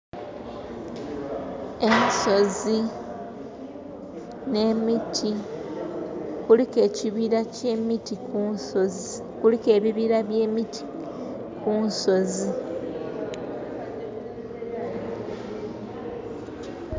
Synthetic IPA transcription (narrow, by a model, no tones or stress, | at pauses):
e̞niso̞zi | ne̞mitʰi | kulike̞ːciβiɾacemitiuoz | kulike̞ːβiβiɾaβje̞ːmitʰi̥ | kunso̞zi